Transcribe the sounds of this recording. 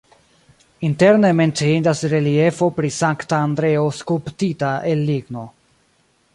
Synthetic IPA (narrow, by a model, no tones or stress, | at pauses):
inte̞ɾnementeindasɾe̞lie̞fo̞pɾisaŋktaːnd̪ɾe̞oskulptitaʔelːiɡno̞